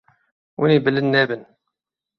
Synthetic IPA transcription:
wənibəlːənːæbən

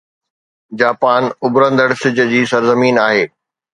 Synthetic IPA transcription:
d͡ʑaːpaːnʊbɾə̃nd̪əɽsɪd͡ʑ̆d͡ʑiːsɐɾzəmiːnaːɦeː

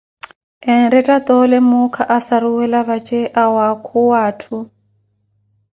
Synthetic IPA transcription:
ɛn̩ɾɛtʼat̪ʼɔlɛmʊkʰaʔasaɾuwɛlaβat͡ʃʼeʔawakʰuwaːtʰu

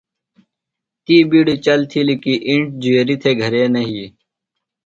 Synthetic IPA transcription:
t̪iːbiːɽit͡ɕɐlt̪ʰilikiːʔiɳʈ̚d͡ʑueːɾit̪ʰeːɡʱɐɾeːnɐɦiː

